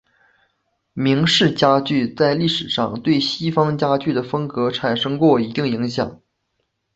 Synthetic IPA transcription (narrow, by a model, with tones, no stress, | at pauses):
mi˧˥ŋʂɻ̩˥˩t͡ɕja˥t͡ɕy˥˩t͡sa˥˧ɪli˥˩ʂɻ̩˨˩ʂɑ̰˥˧ŋt̪we˥˩ɪɕi˥fɑ˥ŋt͡ɕja˥t͡ɕy˥˩d̪ə˩fɤ˥ŋkɤ˧˥ʈ͡ʂʰa˨˩nʂɤ˥ŋkwɔ˥˩i˧˥t̪i˥˩ŋi˧˥ŋɕjɑ̰˨˩˦ŋ